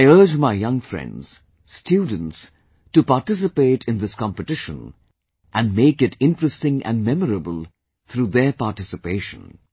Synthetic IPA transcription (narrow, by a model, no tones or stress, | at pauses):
aɪɜ˞d͡ʒmaɪjʌ̃ŋfɹɛ̰̃ndz̥ | stʰjudⁿn̩ts | tupaɹtɪs̬ɨpeɪɾʰɨ̃nðɪskɑ̃mpɨtɪʃə̰̃n | ʔæ̃nmeɪkɨtʰɪ̃ntɹəstɪ̃ŋʔæ̰̃nmɛməɹəbəlˠ | θɾuðə˞patɪsɨpeɪʃə̰̃n